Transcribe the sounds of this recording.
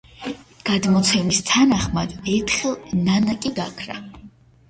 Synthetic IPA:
ɡ̥ad̪mɔt̪sʰɛmist̪ʰanaχmad̪ɛɾt̪ʰχɛlˠnanakʼiɡakʰɾa̰

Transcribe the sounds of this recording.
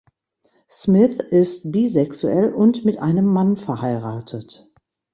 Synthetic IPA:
smɪθʔɪst̚b̥iːzɛksuɛlʊntmɪtʔaɪnəmːanfɛɐhaɪʁaːtʰət

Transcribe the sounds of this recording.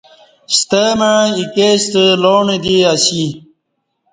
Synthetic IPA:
st̪əməɻikest̪əloːɳed̪iɐɕi

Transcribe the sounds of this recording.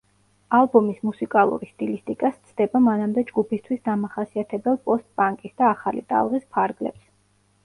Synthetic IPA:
alˠbɔmismusikʼalˠṵɾist̪ʼilist̪ʼikʼast̪sʰd̪̥ɛbamanamd̪ɛd͡ʒɡupʰist̪ʰwisd̪amaχasiat̪ʰɛbɛlˠpʼɔst̪̚ʼpʼaŋkʼisd̪aːχalḭt̪ʼa̰lˠʁispʰaɾɡlɛ̰ps

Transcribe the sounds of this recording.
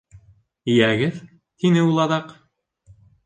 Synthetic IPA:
ijæɡɘð | t̪ʰinɘulˠɑðɑq

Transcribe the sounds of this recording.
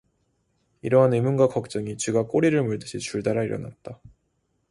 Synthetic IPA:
iɾʌɦanɯmunɡakʌk̚t͡ɕ͈ʌŋit͡ɕɥiɡak͈oɾiɾɯɭmuɭdɯɕʰit͡ɕuɭdaɾaiɾʌ̰na̰t̚t͈a

